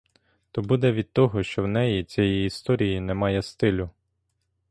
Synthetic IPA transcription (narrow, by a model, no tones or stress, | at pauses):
t̪ɔbud̪ɛʋʲid̪̚t̪ɔɦɔʃt͡ʃɔwnɛjit͡sʲɛjiːst̪ɔɾʲijinɛmɑjɛst̪ɪlʲʊ